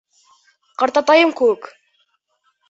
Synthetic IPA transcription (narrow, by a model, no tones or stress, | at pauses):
qɑɾt̪ɑt̪ɑjɤmkʉwɘk